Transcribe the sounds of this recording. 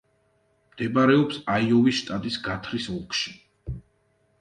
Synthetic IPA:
md̪̥ɛbaɾɛɔpsaiɔvisʃt̪ʼat̪ʼisɡat̪ʰɾisulˠkʰʼʃi̥

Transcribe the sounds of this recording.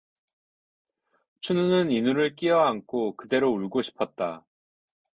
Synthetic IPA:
t͡ɕʰununɯninuɾɯɭk͈iʌaŋkʰokɯde̞ɾouɭɡoɕʰi̥pʰʌt̚t͈a

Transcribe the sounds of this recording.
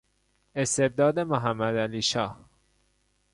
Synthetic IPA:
e̞st̪e̞b̚d̪ɒːd̪e̞moɦæmːæd̪æliːʃɒːh

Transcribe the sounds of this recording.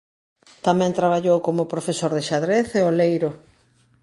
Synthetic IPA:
t̪amɛ̃nt̪ɾaβ̞aʎowkomʊpɾofesoɾðɪʃaðɾeθeolejɾʊ

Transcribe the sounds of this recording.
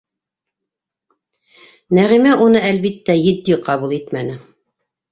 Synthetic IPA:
næʁimæʔunɤælβit̪ːæjɘ̆d̪ːiqɑβulˠit̪mænɘ

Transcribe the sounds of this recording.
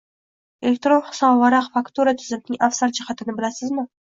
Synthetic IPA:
elʲek̚t̪ɾonχʊ̥sɑnwɑɾɑqfakt̪uɾat̪ʰʏzɪmnɪŋʔafsaɾd͡ʒɪhat̪ʰɪnɪbɪlasɪzmɪ

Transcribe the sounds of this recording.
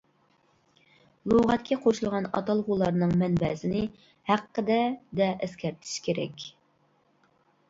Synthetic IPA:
lˠoʁɑt̪kʲʰɛqʰoʃulˠʁɑnɑ̰t̪ɑlˠʁulˠɑɾnɨŋmɛnbɛsɪnɪ | hæqːəd̪ɛd̪ɛʔæskʲɛɾt̪ʰɪ̥ʃkʲʰeɾɛ̰kʲ

